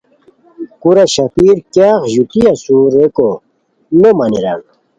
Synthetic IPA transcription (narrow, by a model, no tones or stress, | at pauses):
kuɾaɕɐpiːɾkjaːxʑut̪iɐsuːɾeko | nomɐnḭɾa̰n